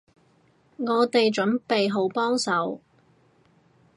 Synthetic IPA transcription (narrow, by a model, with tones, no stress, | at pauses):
ŋɔː˨˧t̪e˨jt͡ʃɵ˨˥npe˨jɦo˨˥wpɔː˥ŋsɐ˨˧w